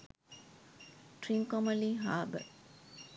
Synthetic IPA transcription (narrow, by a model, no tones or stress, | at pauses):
ʈriŋkomɐliːɦaːbə̰